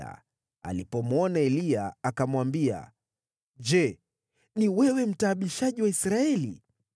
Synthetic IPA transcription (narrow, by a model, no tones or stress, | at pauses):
a̰ | a̰lipɔmuɔnaɛliaakamwambia̰ | d͡ʒɛ | niwɛwɛm̩taːɓiʃaʄiwaisɾaɛlḭ